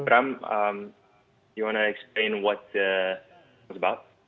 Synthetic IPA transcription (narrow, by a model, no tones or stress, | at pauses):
bɾãmam | juwɔ̃nəɛksplẽɪ̃nwɔt̚ə | səbaʊt̚